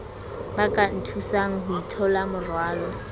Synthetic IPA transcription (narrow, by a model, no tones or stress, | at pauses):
bakʼan̩tʰusaŋ̩ɦʊitʰɔlamʊrwaːlɔ